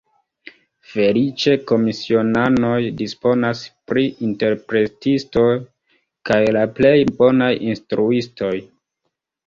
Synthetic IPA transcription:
fe̞lit͡ʃe̞ko̞misio̞nano̞jdispo̞naspɾiʔinte̞ɾpɾe̞tisto̞j | kajlaple̞jbo̞najinstɾuisto̞j

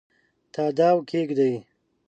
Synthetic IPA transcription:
t̪ʰaːd̪aːwkʰeɡd̪aj

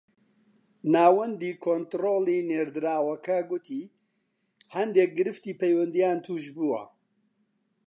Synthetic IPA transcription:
naːwɐnd̪iːkʰoːnt̪ɾoːliːneːɾd̪ɨɾaːwɐkʰɐɡut̪ʰiː | hɐnd̪ek̚ɡɨɾɨft̪iːpʰejwɐnd̪ijaːnt̪ʰuːʃbuːwɐ̰

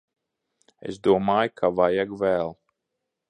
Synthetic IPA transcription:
ḛsd̪uɔmaːjkʰavajaɡvæːlˠ

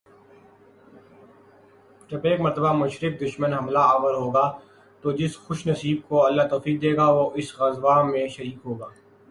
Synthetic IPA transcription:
ʈɐpeːkmɐɾt̪əbamʊʃɾɪk̚d̪ʊʃmənɦɐmlaaːɣəɾɦoːɡaː | t̪oːd͡ʒɪsxʊʃnɐsiːb̚koɐlːat̪oːfiːk̚d̪eːɡaʋoʔɪsɣɐzʋaːmẽʃɐɾiːkɦoːɡaː

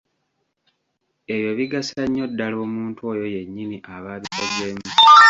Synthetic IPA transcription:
e̞βjo̞βiɡasaɲːo̞dːalo̞ːmuːntwo̞ːjo̞je̞ɲːimiʔaβaːβitoɟeːmi

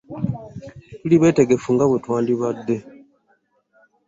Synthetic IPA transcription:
tuliβe̞ːte̞ɡe̞fuŋɡaβutwaːndiβad̪ːe̞

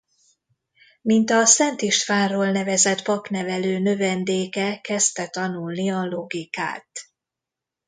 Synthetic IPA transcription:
mint̪ɒsɛnt̪iʃt̪faːrːoːlnɛvɛzɛt̪pɒpnɛvɛløːnø̞vɛnd̪eːkɛkɛst̪ɛt̪ɒnulniɒlo̞ɡika̰ːt̪

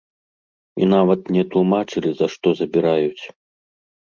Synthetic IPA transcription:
ḭnavɐt̪nʲɛt̪lˠumat͡ʂɨlʲizɐʂt̪ɔzɐbʲiɾajut͡sʲ

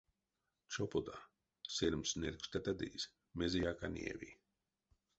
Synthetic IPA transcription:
t͡ʃɔpɔd̪a | selʲmsnɛɾkst̪at̪ad̪ḭːs | mezijaːkanʲɛ̰vḭː

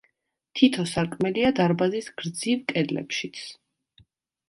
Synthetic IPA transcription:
t̪ʰit̪ʰɔsaɾkʼmɛliad̪aɾbazisɡ̥ɾd̪zivkʼɛd̪lɛ̰pʃit̪sʰ

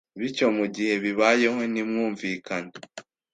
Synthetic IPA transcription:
βico̞muɟihe̞βiβaje̞ho̞nimŋuːɱviːkane

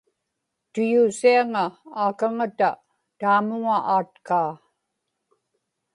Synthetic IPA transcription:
t̪ʊjuːsiaŋaaːkaŋat̪a | t̪aːmʊŋaʔaːt̪kaː

